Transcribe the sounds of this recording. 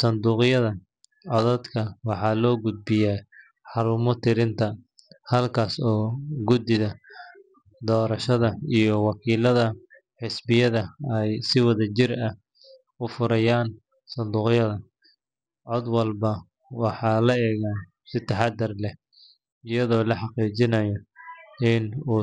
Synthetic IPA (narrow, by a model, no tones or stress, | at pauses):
sɐnd̪uːqjɐðɐ | ɔðɐd̪kʰɐwɑħɑːlɔːɡʊd̪̚bɪjɛː | ħɑɾuːmɔt̪ʰɪɾɪnt̪ʰɐ | hɐlkʰaːsɔːɡʊd̪ɪðɐ | d̪ɔːɾɐʃɐðɐijɞwɑkʰiːlɐðɐ | ħɪsbɪjɐðɐɛjsɪwɐðɐt͡ʃɪrɐh | ʊfʊɾɐjaːn | sɐnd̪uːqjɐðɐ | ʕɔːd̪wɐlbɐ | wɑħɑːlɐɛːɣa | sɪt̪ʰɐħɑd̪ɐrlɛ | ɪjɐðɔːlɐħɑqiːt͡ʃɪnɐjɔɪnuː